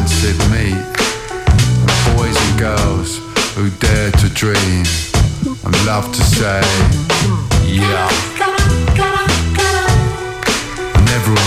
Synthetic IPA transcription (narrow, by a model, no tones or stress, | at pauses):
nsɪvmit̚ | ə̃npʰɔɪzɪ̃ɡəlˠz̥ | hʉdɛːtʰɨdɹĩm | ə̰̃nlʌv̥tʰəseɪɪ | j | aɪnɛvə˞